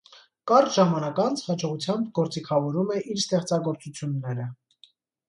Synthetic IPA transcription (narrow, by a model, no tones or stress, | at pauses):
kɑɾt̪ʒɑmɑnɑkɑnt͡sʰhɑd͡ʒɔʁut͡sʰjɑmbɡɔɾt͡sikʰɑvɔɾumɛʔiɾst̪ɛχt͡sɑɡɔɾt͡sut͡sʰjunːɛɾə